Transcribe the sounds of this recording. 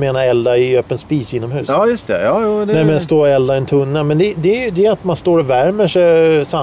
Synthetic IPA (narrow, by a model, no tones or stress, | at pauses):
meːnaɾɛld̪aɪøːpənspiːsɪnːɔmɦʉ̟ːɑːjɵst̪ʰɛ̰jɑːjuːd̪ɛnɛmɛnst̪oːɾɛld̪aɛnt̪ʰɵnːamɛnd̪ɛd̪ɛæjɵd̪ɛjat̪manst̪oːɾɔvæɾməʂɛsa